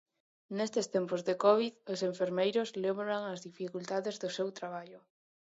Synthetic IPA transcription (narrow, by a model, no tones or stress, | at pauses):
nest̪est̪empozðekɔβiðoseɱfeɾmejɾozlemβɾaŋɐzðifikult̪aðezðʊsewt̪ɾaβ̞aʎʊ